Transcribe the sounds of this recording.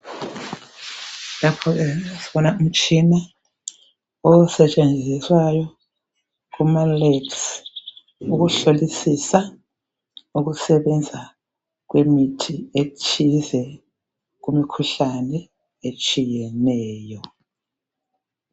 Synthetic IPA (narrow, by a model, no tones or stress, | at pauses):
lapʰɔɣɛsiɓɔnaum̩t͡ʃʼina | ɔsɛt͡ʃʼend͡zʱiswajɔ | kumaleks | uɣuɬolisisa | uɣusɛβɛnd͡zʱa | ɣ̬wemitʰieut͡ʃʰʼizɛ | k̬umikʰuɬanɛ | et͡ʃʼijɛnɛːjɔ